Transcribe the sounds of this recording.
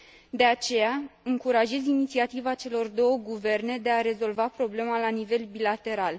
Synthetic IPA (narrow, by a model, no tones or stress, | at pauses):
d̪e̞at͡ʃe̞jaɨŋkuɾaʒe̞zinit̪siat̪ivat͡ʃe̞lo̞rd̪o̞wəɡuve̞rne̞d̪e̞aɾe̞zo̞lvapɾo̞ble̞malanive̞lbilat̪e̞ɾal